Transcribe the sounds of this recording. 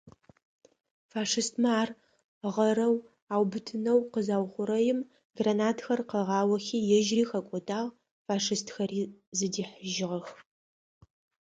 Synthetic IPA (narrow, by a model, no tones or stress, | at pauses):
faːʂɨstʰmɐaːr | ʁɐɾɐw | aːwbɨtʰɨnɐwqəzaːwχʷʊɾɐjɪm | ɡranaːtʰxɐrqəʁɑːwɐxiːjɛʒriːxɐkʷʼɔdaːʁ | faːʂɨstʰxɐriːzɨdiːħəʒɪʁɐx